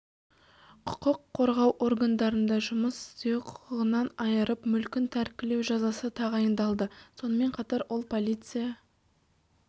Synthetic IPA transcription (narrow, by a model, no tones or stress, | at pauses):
qʰʊ̥qəqʰːo̞ɾʁɑwʔo̞ɾɡand̪ɑɾənd̪ɑʒʊməsɪ̥st̪e̞wqʰʊ̥qəʁənɑnɑjəɾəpmʏlkʲɪnt̪ʰæɾkʲɪle̞wʒɑzɑsət̪ʰɑʁɑjənd̪ɑlˠd̪əso̞nəme̞ɴqʰɑt̪ɑɾwʔolˠpʰo̞lʲˠit̪sɨjɑ